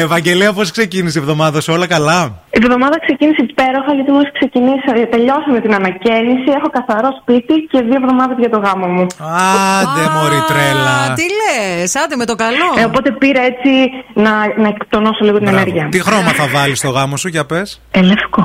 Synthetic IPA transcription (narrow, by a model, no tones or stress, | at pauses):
e̞vɐɲɟe̞liɐposkse̞cinisievðo̞mɐðɐsuo̞lɐkɐlɐivðo̞mɐðɐkse̞ciniseipe̞ɾo̞xɐɐliot̪imoskse̞cinisɐt̪e̞ʎo̞sɐmet̪inɐnɐcenisie̞xo̞kɐθɐɾo̞spit̪ice̞ðioevðo̞mɐðɐzʝɐt̪o̞ɣɐmomuɐd̪emoɾit̪ɾelɐt̪ilesɐd̪imet̪okɐloopo̞t̪e̞piɾɐet͡sinɐnɐekt̪onosoliɣot̪ine̞neɾʝiɐt̪ixɾo̞mɐθɐvɐlist̪o̞ɣɐmo̞sucɐpe̞s | elefko